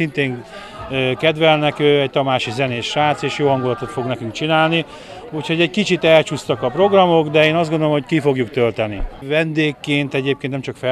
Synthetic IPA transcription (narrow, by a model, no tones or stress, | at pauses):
int̪eːŋ | økɛd̪ʋɛlnɛkøːɛc̚t̪ɒmaːʃizɛneːʃaːt̪seːʃjoːɦɒŋɡulɒt̪o̞t̪fo̞ɡnɛkyŋk̚t͡ʃinaːlni | ucho̞ɟɛɟkit͡ʃit̪ɛlt͡ʃust̪ɒkɒpro̞ɡrɒmo̞ɡd̪ɛeːnɒzdɡond̪olomho̞ckifo̞ɡjukt̪ølt̪ɛnḭvɛnd̪eːkːeːnt̪ɛɟeːp̚kennɛmt͡ʃɒkfɛ